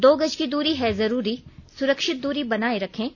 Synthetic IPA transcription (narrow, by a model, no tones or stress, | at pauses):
d̪oːɡɐd͡ʒkid̪uːɾiɦɛzɐɾuːɾisʊɾəkʃɪt̪̚d̪uːɾibɐnaːeɾɐkʰẽː